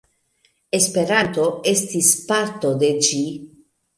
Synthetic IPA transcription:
e̞spe̞ɾant̪o̞est̪ispaɾt̪o̞d̪e̞d͡ʒi

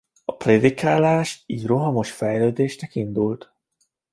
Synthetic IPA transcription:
ɒpreːd̪ikaːlaːʃiːɟroɦɒmo̞ʃfɛjløːd̪eːʃnɛkind̪ult̪

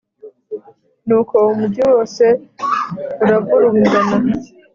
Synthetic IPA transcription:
nuːkʰo̞umubɟowo̞ːse̞ | uɾavuɾuɡuɡana

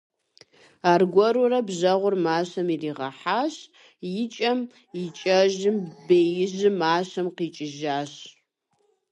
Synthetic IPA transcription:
aːrɡʷɔɾurɐbʑɐʁʷʊrmaːɕɐmiriːʁɐ̰ħaːɕ | jɪt͡ʃʼɐm | jɪt͡ʃʼɐʒɪmbeːjɪʑɪmaːɕɐmqiːt͡ʃʼɪʒaːɕ

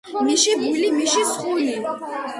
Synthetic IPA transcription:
miʃibulimiʃisχuli

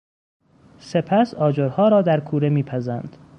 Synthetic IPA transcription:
se̞pʰæsɒːd͡ʒoɾhɒːɾɒːd̪æɾkʰuːɾe̞miːpʰæzænd̪̥

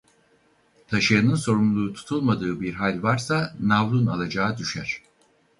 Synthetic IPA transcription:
t̪ʰaʃɯjanɯnso̞ɾumlˠuːt̪ʰu̥t̪ʰulˠmad̪ɯːbiɾɦalʲvaɾsanavlˠuna̰lˠad͡ʒaːd̪yʃæɾ̥

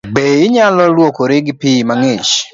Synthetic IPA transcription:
beɪɲalɔlwokoɾɪɡpimaŋet͡ʃ

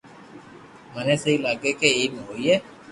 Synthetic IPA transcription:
mənẽːsəɦiːlaːɡeːkeiːmɦoːiːeː

